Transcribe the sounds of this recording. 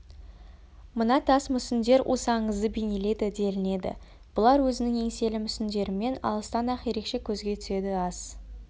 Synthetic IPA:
mənɑt̪ʰɑsmʏsɪnd̪e̞ɾʔo̰sɑɴəzd̪əbijnele̞d̪ɪd̪e̞lɪne̞d̪ɪ̰ | b̥ʊlˠɑɾwɵzɪnɪŋe̞ŋse̞lɪmʏsɪnd̪e̞ɾɪme̞nɑ̰lˠəst̪ɑnɑqje̞ɾe̞kʃe̞kʲʰɵzɡʲe̞t̪ʰʏ̥se̞d̪ɪɑz̥

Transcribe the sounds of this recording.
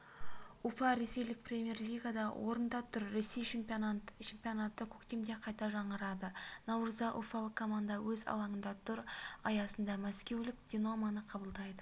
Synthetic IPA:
ufɑɾe̞se̞jlɪk̚prʲe̞mʲje̞rlʲijɡad̪ɑwʔo̞ɾənd̪ɑt̪ʰʏɾːe̞sːej | t͡ʃʰe̞mpʲijonat̪ːəkʲʰɵkt̪emd̪e̞qʰɑjt̪ɑʒɑɴəɾɑd̪ənɑwɾəzd̪ɑʔufɑlˠəqkʰːo̞mand̪ɑwɵzɑ̰lˠɑɴənd̪ɑt̪ʰʊɾɑjɑsənd̪ɑmæskʲe̞wlɪkd̪̥ʲino̞manəqʰɑbəlˠd̪ɑjd̪ə

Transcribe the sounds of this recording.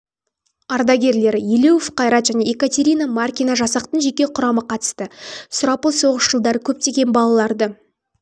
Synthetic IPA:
ɑɾd̪ɑɡʲe̞ɾle̞ɾjele̞wfqɑjɾɑt̪ʒæne̞ekat̪ʲe̞ɾʲijnamarkʲinaʒɑsɑqt̪ənʒe̞kʲe̞qʰʊɾɑməqʰɑt̪ə̥st̪əsʊɾɑpəlˠso̞ʁəʃʒ̥əlˠd̪ɑɾəkʲʰɵp̚t̪e̞ɡʲe̞nbɑlˠɑlˠɑɾd̪ə

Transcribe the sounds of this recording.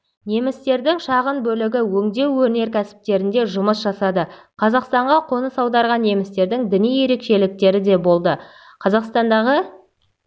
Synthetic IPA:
ne̞mɪst̪e̞ɾd̪ɪŋʃɑʁənbɵlɪɡʲɪwɵŋd̪e̞wːɵɾne̞ɾkʲæsɪ̥p̚t̪e̞ɾɪnd̪e̞ʒʊməsʒɑsɑd̪ə | qʰɑzɑqst̪ɑɴʁɑqʰo̞nəsɑwd̪ɑɾʁɑnːe̞mɪst̪e̞ɾd̪ɪŋd̪ɪnije̞ɾe̞kʃe̞lɪk̚t̪e̞ɾɪd̪e̞bo̞lˠd̪ə | qʰɑzɑqst̪ɑnd̪ɑʁə

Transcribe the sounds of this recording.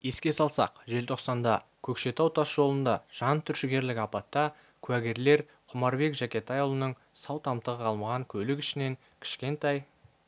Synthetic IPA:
je̞skʲe̞sɑlˠsɑ̰qʒe̞lt̪ʰo̞qsɑnd̪ɑkʲʰɵkʃe̞t̪ɑwt̪ʰɑsʒo̞lˠənd̪ɑʒ̥ɑnt̪ʰʏɾʃɪɡʲe̞ɾlɪkɑpɑt̪ːɑ | kʲʰʉæɡʲe̞ɾle̞ɾ | qʰʊmɑɾbe̞kʒækʲe̞t̪ɑjulˠənəɴ | sɑwt̪ʰɑmt̪əʁəɑlˠmɑʁɑŋkʲʰɵlɪkʲɪʃɪne̞ŋ | kʲʰɪ̥ʃkʲe̞nt̪ɑj

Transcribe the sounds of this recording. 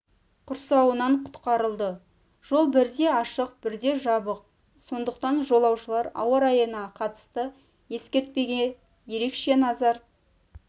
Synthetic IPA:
qʰʊɾsɑwənɑɴqʰʊ̥t̪qɑɾəlˠd̪ə | ʒ̥o̞lˠbɪɾd̪e̞ɑʃəqb̥ɪɾd̪e̞ʒɑbəq̚ | so̞nd̪əqt̪ɑnʒo̞lˠɑwʃəlˠɑɾɑ̰wɑɾɑjənɑqʰɑt̪ə̥st̪ə | je̞skʲe̞ɾt̪̚pe̞ɡʲe | je̞ɾe̞kʃe̞nɑzɑɾ

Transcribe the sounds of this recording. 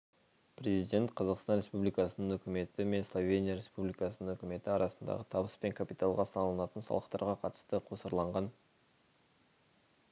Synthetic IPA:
pɾe̞zijd̪ʲe̞nt̪qʰɑzɑqst̪ɑnɾe̞spublijkɑsənəɴɵkʲɪme̞t̪ɪme̞nslˠo̞vʲe̞nʲijaɾʲe̞spublijkɑsənəŋɵkʲɪme̞t̪ɪɑɾɑsənd̪ɑ̰ʁət̪ʰɑbəspe̞ŋkʰapit̪ɑlˠʁɑsɑnlˠənɑt̪ənsɑ̰lˠəqt̪ɑ̰ɾʁɑqʰɑt̪ə̥st̪əqʰo̞səɾlˠɑɴʁɑn

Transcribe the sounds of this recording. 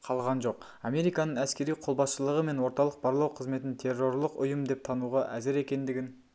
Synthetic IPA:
qʰɑlˠʁɑnʒo̞q | ɑmʲe̞ɾijkɑnəɴæskʲe̞ɾijqʰo̞lˠbɑsʃəlˠəʁəme̞nwo̞ɾt̪ɑlˠəq̚bɑɾlˠɑwqʰəzme̞t̪ɪnt̪ʰe̞rːo̞rlˠəqʊjəmd̪e̞p̚t̪ʰɑnuʁɑʔæzɪɾe̞kʲe̞nd̪ɪɡʲɪn

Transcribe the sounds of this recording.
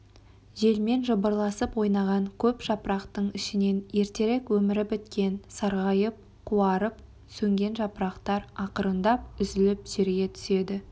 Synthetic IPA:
ʒe̞lme̞nʒəbəɾlˠɑsəpwo̞jnɑʁɑɴkʲʰɵpʒ̥ɑpɾɑqt̪əɴɪʃɪne̞nje̞ɾt̪e̞ɾekwɵmɪɾɪbɪt̪kʲe̞nsɑɾʁɑjəp̚ | qʰuɑɾəp̚ | sɵŋɡʲe̞nʒɑpɾɑqt̪ɑɾɑqəɾənd̪ɑp̚ʏzɪlɪpʒ̥e̞ɾɡʲe̞t̪ʰʏ̥se̞d̪ɪ

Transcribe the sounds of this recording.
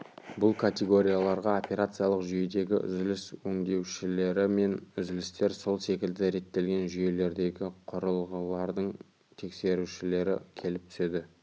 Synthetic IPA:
bʊlˠkʰat̪ʲe̞ɡo̞ɾʲijalˠɑɾʁɑo̞pʲe̞ɾat̪sɨjalˠəqʒʏje̞d̪e̞ɡʲɪ̰ʔʏ̰zɪlɪswɵŋd̪e̞wʃɪle̞ɾɪme̞nʏzɪlɪst̪e̞ɾso̞lˠse̞kʲɪld̪ɪɾe̞t̪ːe̞lɡʲe̞nʒʏje̞le̞ɾd̪e̞ɡʲɪqʰʊɾəlˠʁəlˠɑɾd̪əɴ | t̪ʰe̞kse̞ɾuʃɪle̞ɾɪ̰kʲʰe̞lɪp̚t̪ʰʏ̥se̞d̪ɪ

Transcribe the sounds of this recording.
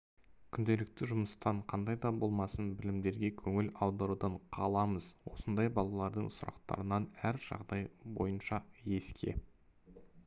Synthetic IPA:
kʲʰʏnd̪e̞lɪk̚t̪ɪʒʊməst̪ɑɴqʰɑnd̪ɑjd̪ɑbo̞lˠmɑsənbɪlɪmd̪e̞ɾɡʲe̞kʲʰɵŋɪlɑwd̪ɑɾud̪ɑɴqʰɑlˠɑməz̥wo̞sənd̪ɑjbɑlˠɑlˠɑɾd̪əɴsʊɾɑ̰qt̪ɑ̰ɾənɑnæɾʒ̥ɑ̰ʁd̪ɑjbo̞̰jənʃɑje̞skʲʰe̞̰

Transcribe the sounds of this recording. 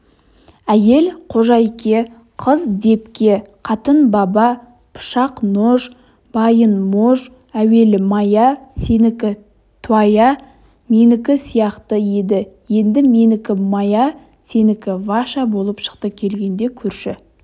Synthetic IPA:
æje̞lqʰo̞ʒɑjkʲe̞ | qʰəzd̪e̞pkʲe̞qʰɑt̪ənbɑbɑ | pʰʊ̥ʃɑqnoʒ | b̥ɑjənmoʒ | æwe̞lɪmɑjɑse̞nɪkʲɪ | t̪ʰwɑjɑ | me̞nɪkʲɪsijɑqt̪əje̞d̪ɪje̞nd̪ɪmenɪkʲɪmɑjɑ | se̞nɪkʲɪvɑʃɑbolˠəpʃə̥qt̪əkʲʰe̞lɡʲe̞nd̪e̞kʲʰʏɾʃɪ

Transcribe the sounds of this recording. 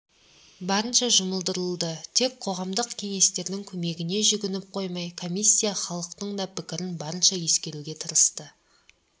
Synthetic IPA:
bɑɾənʃɑʒʊməlˠd̪əɾəlˠd̪ət̪ʰe̞k̚qʰo̞ʁɑmd̪əqkʲʰe̞ŋe̞st̪e̞ɾd̪ɪŋkʲʰɵme̞ɡʲɪne̞ʒʏɡʲɪnɪp̚qʰo̞jmɑjkʰo̞mʲisʲːijɑχɑlˠəqt̪əɴd̪ɑpʰɪkʲɪɾɪnbɑɾənʃɑje̞skʲe̞ɾuɡʲe̞t̪ʰəɾəst̪ə

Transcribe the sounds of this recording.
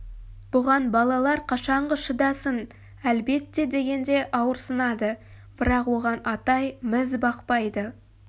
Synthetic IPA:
b̥ʊʁɑnbɑlˠɑlˠɑɾqʰɑʃɑɴʁəʃəd̪ɑsən | ælbe̞t̪ːe̞d̪e̞ɡʲe̞nd̪e̞ʔɑwəɾsənɑd̪ə | b̥ɪɾɑqwo̞ʁɑnɑt̪ɑjmɪzbɑqpɑjd̪ə

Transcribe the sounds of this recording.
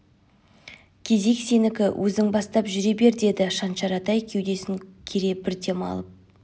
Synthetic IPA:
kʲʰe̞ze̞kse̞nɪkʲɪwʔɵzɪŋbɑst̪ɑpʒʏɾe̞be̞ɾd̪e̞d̪ɪʃɑnʃɑɾɑt̪ɑjkʲʰe̞wd̪e̞sɪŋkʲʰeɾe̞bɪɾt̪e̞mɑ̰lˠəp̚

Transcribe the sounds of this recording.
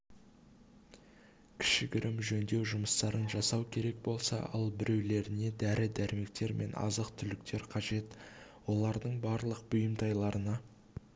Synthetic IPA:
kʲʰɪ̥ʃɪɡʲɪɾʔɪmʒɵnd̪e̞wʒʊməst̪ɑɾənʒɑsɑwkʲʰe̞ɾe̞k̚bo̞lˠsɑ̰ʔɑ̰lˠbɪɾe̞wle̞ɾɪne̞d̪æɾɪd̪æɾme̞k̚t̪e̞ɾmʔe̞̰nɑ̰zəqt̪ʰʏlɪk̚t̪ʰe̞ɾqʰɑʒe̞t̪wo̞lˠɑɾd̪əɴbɑɾlˠəq̚b̥ʊjəmt̪ʰɑjlˠɑɾənɑ

